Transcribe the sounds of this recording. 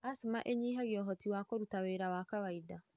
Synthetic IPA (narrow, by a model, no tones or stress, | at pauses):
asmaʔeɲiːɦaɣjɔɦɔtiwakɔɾutaweɾawakawaida